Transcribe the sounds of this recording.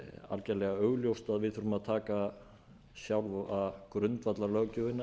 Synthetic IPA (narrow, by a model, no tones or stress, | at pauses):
a̰lcɛlɛɣaœɣljowst̪aðvɪðθʏɾʏmaðt̪ʰaːka | sjawlvakɾʏnt̪vat̪lalœːcʏvɪnːa